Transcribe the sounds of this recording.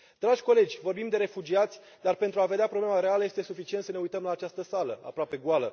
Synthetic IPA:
d̪̥ɾaʒʲko̞le̞d͡ʒʲvo̞rbimd̪e̞ɾe̞fud͡ʒiat̪sʲ | d̪arpe̞nt̪ɾuaved̪eapɾo̞blemaɾe̞aləje̞st̪e̞sufit͡ʃiet̪səne̞ujt̪əmlaːt͡ʃast̪əsaləa̰pɾoape̞ɡualə

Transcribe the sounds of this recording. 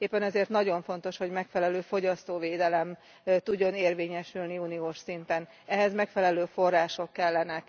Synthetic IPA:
eːpːɛnɛzeːrt̪nɒɟo̞ɱfo̞n̪t̪o̞ʃho̞ɟmɛkfɛlɛløːfo̞ɟɒst̪oːveːd̪ɛlɛm | t̪uɟːo̞neːrveːɲɛʃylniunioːʃsint̪ɛn | ɛɦɛzmɛkfɛlɛløːfo̞rːaːʃo̞kːɛlːɛnɛk

